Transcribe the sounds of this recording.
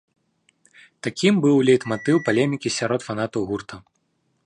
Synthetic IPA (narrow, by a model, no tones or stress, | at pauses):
t̪akʲimbɨwlʲɛjt̪mat̪ɨwpalʲɛmʲikʲisʲaɾɔt̪fanat̪ɐwɣurt̪ɐ